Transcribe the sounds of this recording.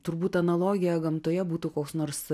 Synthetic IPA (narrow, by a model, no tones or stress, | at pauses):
t̪ʊɾbuːt̪ɐnɐlˠoːɡʲɪjɛɡɐmt̪oːjɛbuːt̪uːkoːksnoːɾs